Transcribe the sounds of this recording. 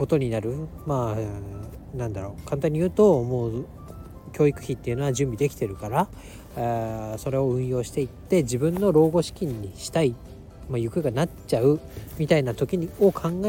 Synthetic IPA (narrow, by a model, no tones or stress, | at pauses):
ko̞t̪o̞ɲ̟inaɾɯ̟maː | nãnd̪aɾo̞ːkãnt̪aɲ̟ːijɯːt̪o̞moː | kʲo̞ːikɯ̟̥çit̪ːe̞iɯ̟noad͡ʑɨ̃mbʲid̪e̞kʲi̥t̪e̞ɾɯ̟kaɾa | so̞ɾe̞o̞ɯ̟̃ɰ̃jo̞ːɕi̥t̪e̞it̪ːe̞d͡ʑibɯ̟̃nːo̞ɾo̞ːɡo̞ɕi̥kʲĩɲ̟ːiɕi̥t̪ai | majɯ̟kɯ̟ɡanat͡ɕaɯ̟mʲit̪ainat̪o̞kʲiɲ̟o̞kʰãŋɡa